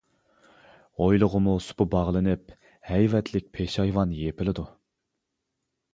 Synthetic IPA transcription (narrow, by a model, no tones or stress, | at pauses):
ojlˠʊʁəmusʊ̥pʊbɑʁlˠɨnɪp | hɛjvɛt̪ʰlɪk̚ʲpʰeʃɑjvɑnjepɪlɪd̪u